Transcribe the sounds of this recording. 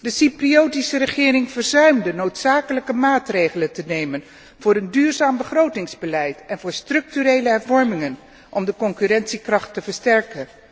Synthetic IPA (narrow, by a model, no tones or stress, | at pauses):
dəsipriowtisərəχɪːrɪŋv̥əɹzœɥmdənowtsaːkələkəmaːtrejχələntənejmən | v̥ʊːɾəndyːɹzaːmbəχrowtɪŋzbəlɛjtɛnvʊːɹstrɵk̚tyɾejləɦɛɹvɔɹmɪŋən | ʔɔmdəkɔŋkyrɛntsikrɑχtːəvəɹstɛɹkən